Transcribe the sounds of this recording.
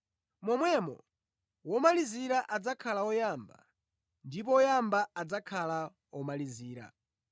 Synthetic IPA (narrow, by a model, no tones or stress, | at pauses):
mɔmwɛmɔ̰ | wɔmaliziɾaʔad͡zakʰalawɔjaːmba̰ | ndip̬ɔɔjambaad͡zakʰala | ɔmaliziːɾa̰